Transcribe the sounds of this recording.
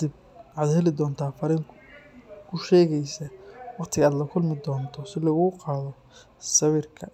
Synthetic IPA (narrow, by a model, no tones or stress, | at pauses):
d̪ɪb̚ | ʕɑd̪hɛlɪd̪ɔːnt̪ʰaːfɐɾiŋʰ | kʰʊʃɛːɣɛjsɐwɑqt̪ʰɪɣɐaːd̪lɐkʰʊlmɪd̪ɔːnt̪ʰɔsɪlɐɣuːqɑːðɔ | sɐβɪrkʰɐ